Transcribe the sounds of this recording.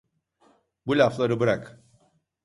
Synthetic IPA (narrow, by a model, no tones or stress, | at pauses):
bulʲaflˠaɾɯbɯɾak